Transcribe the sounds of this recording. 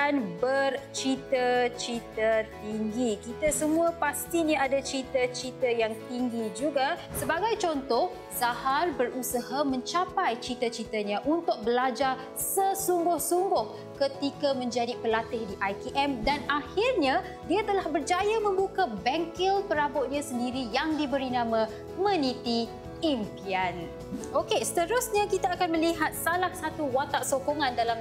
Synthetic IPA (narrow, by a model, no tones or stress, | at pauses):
anbərt͡ʃit̪ət͡ʃit̪ət̪iŋɡikit̪asəmũãpast̪inaadat͡ʃit̪ət͡ʃit̪əjaŋt̪iŋɡid͡ʒuɡasəbaɡajt͡ʃɔnt̪ɔh | saharbərusaɦamə̃ɲt͡ʃapajt͡ʃit̪ət͡ʃit̪aɲãʔunt̪ʊk̚bəlad͡ʒar | səsuŋɡʊhsuŋɡʊh | kət̪ikamə̃ɲd͡ʒadipəlat̪ɪhdiʔajkiʔɛmdanahɪrɲã | diat̪əlahbərd͡ʒajamə̃mbukabɛŋkɪlpəɾabʊt̪̚ɲãsəndiɾijaŋdibəɾinãmã | mə̃nit̪i | impian | okesə̥t̪əɾʊsɲãkit̪aːkanmə̃liɦat̪̚salahsat̪uwat̪aʔsokoŋãndalam